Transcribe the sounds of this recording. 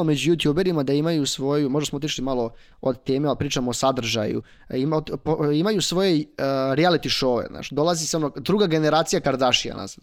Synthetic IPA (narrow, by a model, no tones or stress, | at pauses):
omed͡ʑujut̪juːbe̞ɾimad̪aimajusʋo̞jumo̞ʒd̪asmoot̪̬iʂlimalo̞ | od̪t̪eːmepɾiːt͡ʃamoːsad̪r̩ʒa̰jṵ | imot̪poimajusʋo̞jeɾialit̪iʃoʋḛna̰ːt͡ʃd̪o̞lˠazisamnod̪ɾuːɡaɡe̞ne̞ɾaːt̪sijakaɾd̪aʃija̰na̰zan